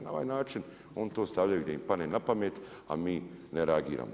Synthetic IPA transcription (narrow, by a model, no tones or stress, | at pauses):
naoʋa̰ːjnaːt͡ʃin | o̞ːnt̪oːst̪aʋʎajuɡd̪aimpaneːnapameːt̪ | a̰miːneɾeaɡḭːɾa̰ːmo